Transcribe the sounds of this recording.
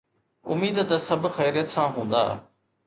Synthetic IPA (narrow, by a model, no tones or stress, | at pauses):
ʊmiːd̪t̪ɐsɐbʱxɛːɾijət̪sãɦũːnd̪a̰ː